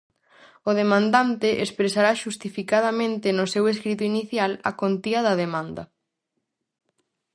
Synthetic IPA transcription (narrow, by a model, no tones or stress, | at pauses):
ʊð̞emãnd̪ant̪ɪʔespɾesaɾaʃust̪ifikað̞amẽnt̪ɪnʊseweskɾit̪oiniθjalɐ̰kont̪iɐðɐðemãnd̪ɐ